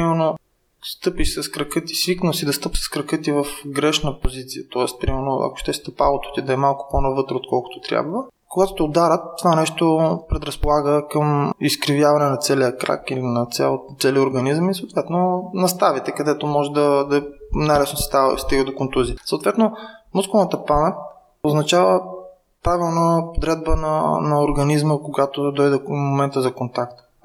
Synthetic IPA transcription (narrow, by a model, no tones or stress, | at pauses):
pimɛɾno | st̪ɤpiʃsəskɾɐkɤt̪i̥sviknəsid̪ɐst̪ɤpsə̥skɾɐkɤt̪ivəfɡɾɛʃnəpozit̪sijət̪ɔɛst̪̚pɾimɛɾno̰ʔɐ̰ko̥ʃt̪ɛʃt̪əpalˠot̪o̥t̪id̪ɐɛmalˠkʊ̥ponɐvɤt̪ɾoːt̪̚kɔlˠkʊ̥t̪o̥t̪ɾʲja̰bvə | koɡat̪o̥t̪ɛod̪aɾət̪ːovanɛʃt̪opɾɛd̪ɾɐspolˠaɡəkəmiskɾivjavɐnɛnɐt̪sɛlijəkɾa̰kilinɐt̪sɛ̰lˠt̪sɛliəoɾɡɐnizəmisəot̪vɛt̪nonɐst̪avit̪ɛkɐd̪ɛt̪omɔʒɛd̪ɐd̪ɐnajlɛsnosɛ̥t̪avst̪iɡəd̪okont̪uzisoːt̪vɛt̪nomuskonət̪əpamɛt̪ | oznɐt͡ʃavə | pɾavilˠnopod̪ɾɛd̪̚bənɐ̰nɐoɾɡɐnizməkoɡat̪od̪ɔjd̪ɛmomɛnt̪əzɐkont̪akt̪